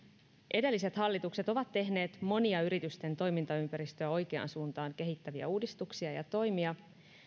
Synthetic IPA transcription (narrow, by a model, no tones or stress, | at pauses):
ʔe̞de̞lːise̞t̪hɑlːit̪ukset̪o̞ʋɑt̪ːe̞ɦne̞ːt̪mo̞niɑyɾit̪yst̪e̞nt̪o̞jmint̪ɑympæɾist̪øæo̞jk̟e̞ɑ̰nsuːnt̪ɑːŋke̞ɦit̪ːæʋiæ̰uːdist̪uksiɑjɑ̰t̪o̞jmiɑ